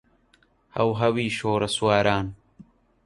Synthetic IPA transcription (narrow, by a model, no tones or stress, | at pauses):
hɐ̰wɦɐwiːʃoːɾɐswaːɾaːn